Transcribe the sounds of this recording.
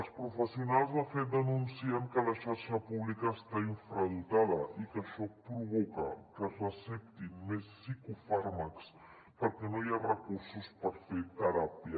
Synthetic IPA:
əlˠspɾufəsiunalˠzðəfet̪̚d̪ənunsiəŋkələʃaɾʃəpuβlikəːst̪aiɱfɾəðut̪aðəikəʃɔpɾuβɔkə̰kəzrəsɛp̚t̪inmesːikufaɾməks | pəɾkɛnojaβrəkuɾsuspəɾfet̪əɾapjə

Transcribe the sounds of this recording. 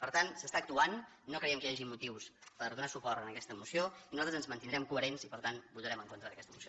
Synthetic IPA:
pəɾt̪ansəst̪aək̚t̪uanː | okɾəiɛmkəjaʒimut̪iwspəɾðunasupɔrt̪ənəkɛst̪əmusioinuzalt̪ɾəzənzmənt̪ind̪ɾɛmkuəɾenzipəɾt̪anbut̪əɾɛməŋkont̪ɾəðəkɛst̪əmusio

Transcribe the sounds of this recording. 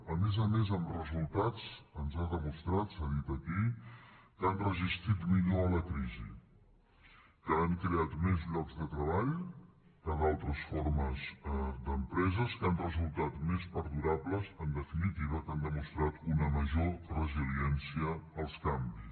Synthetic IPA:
əmɛzəmezəmrəzulˠt̪at͡sənzaðəmust̪ɾat̪saðit̪əki | kanrəzist̪ɾit̪miʎoələkɾizḭ | kəːŋkɾeat̪mɛzʎɔɡzdət̪ɾəβ̞aʎkəðalˠt̪ɾəsfoɾməzd̪əmpɾɛzəskanrəzulˠt̪at̪mɛspəɾðuɾaβləzənd̪əfinit̪iβ̞əkand̪əmust̪ɾat̪unəməʒorəziliɛnsiəːlˠskambis

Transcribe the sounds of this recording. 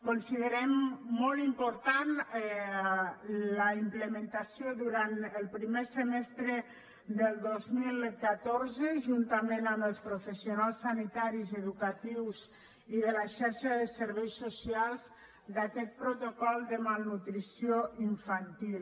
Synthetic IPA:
konsiðəɾɛmːɔlˠimpuɾt̪anɛ | ləimpləmənt̪asioðuɾant̪əlˠpɾimesəmɛst̪ɾə | d̪əlˠd̪ozmilˠkat̪oɾzəʒunt̪amenambəlˠspɾufəsionalˠsːanit̪aɾizəðukat̪iwz | iðəlaʃɛɾʃaðəsəɾβejsːusialˠz | d̪akɛt̪̚pɾot̪okɔlˠd̪əmalˠnut̪ɾisioiɱfant̪ilˠ

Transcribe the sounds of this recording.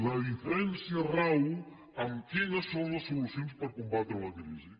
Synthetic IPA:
lɐifluẽnsjɐraw | ɐmkenɐsõwlɐsːolusjõnspɐɾkõmbat̪ɾlɐɡɾḭʒi

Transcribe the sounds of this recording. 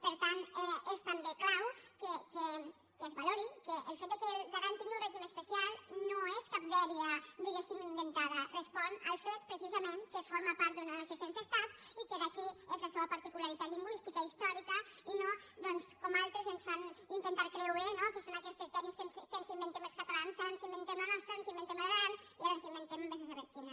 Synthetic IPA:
pəɾt̪aneest̪ambeklawkeke | kezβaloɾikeʔːlˠfet̪d̪ekeɡaɾant̪ind̪uɾreʒimeəspesialˠnoeskap̚dɛɾiəd̪iɣesimimbent̪aðərespɔna̰lˠfet̪pɾesizamẽnkefoɾmapaɾt̪̚d̪unanasosensast̪at̪ikeðəkiezləseβəpɐɾt̪ikulaɾit̪at̪ʎiŋɡwist̪ikaist̪ɔɾikəino | d̪ɔnskɔmalˠt̪ɾezensfanint̪ent̪aɾkɾɛwɾenokesonakɛst̪ezt̪ɛɾiskenskənzimbent̪eməlskət̪alansaɾansimbent̪emlanɔst̪ɾansimbent̪emlaɣɾan | iaɾənsimbent̪emmbes̬asaβɛɾkin

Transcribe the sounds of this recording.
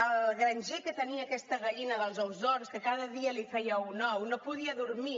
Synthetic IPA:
əlɣɾənʲʒekət̪əniəːkɛst̪əɣəʎinəðəlˠzowzðɔɾskəkaðəðiəlifɛjəwunɔwnopuðiəðuɾmi

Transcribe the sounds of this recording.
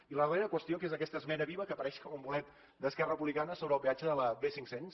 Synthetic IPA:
iləðreɾəkwəst̪iokezəkɛst̪əzmɛnəβiβəkəpəɾɛʃkɔməmbulɛt̪ | d̪əskɛrəəpuβlikanəsoβɾəːlˠβiat͡ʃəðələβesiŋksens

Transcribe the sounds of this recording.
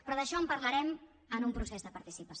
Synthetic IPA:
pɾɔðəʃɔəmpəɾləɾɛm | ənumpɾusezðəpəɾt̪isipə

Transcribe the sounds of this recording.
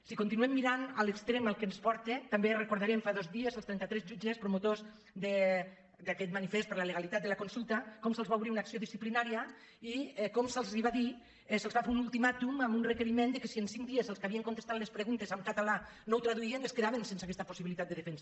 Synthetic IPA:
sikont̪inuɛmːiɾanalekst̪ɾemalˠkenspɔɾt̪et̪amberekuɾð̞aɾɛmfaðozðiezəlˠst̪ɛnt̪at̪ɾɛzʒud͡ʒespɾomot̪oz | ðe | d̪akɛt̪̚manifest̪pəɾlaleɣalit̪at̪d̪elakonsulˠt̪ɐkɔmselˠzβauwβɾiunaksioðisiplinaɾia | iɛkomselˠziβaði | selˠzβafeunulˠt̪imat̪umamunrekeɾimend̪ekesiensiŋk̚d̪iezelˠskaβieŋkont̪est̪at̪lespɾeɣunt̪ezamkat̪ala | nowt̪ɾaðuieneskeðaβensenseakɛst̪ɐposiβilit̪at̪d̪eðefɛnsa

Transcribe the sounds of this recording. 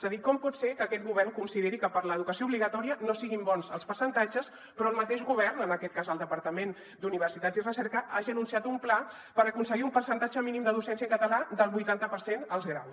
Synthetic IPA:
ɛzəðikɔmpɔt̪sekəːkɛt̪̚ɣuβɛrŋkunsiðeɾikəpəɾləːðukəsiouβliɣət̪ɔɾiənosiɣimbɔnzəlˠspəɾsənt̪ad͡ʒəs | pɾɔəlˠmət̪eʃɣuβɛrnənəkɛt̪̚kazəlˠd̪əpəɾt̪əmen | d̪uniβərsit̪azirəsɛɾkəʔaʒiənunsiat̪umpla | pəɾəkunsəɣiumpəɾsənt̪ad͡ʒəminimd̪əðusɛnsiəŋkət̪əlad̪əlˠβujt̪ant̪əpəɾsenəlˠzɣɾaws

